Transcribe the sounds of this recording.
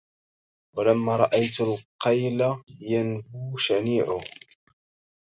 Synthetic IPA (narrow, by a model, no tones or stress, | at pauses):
walamːaːɾˤɑʔajt̪alqɑjlajanbuːʃamiːʕʊ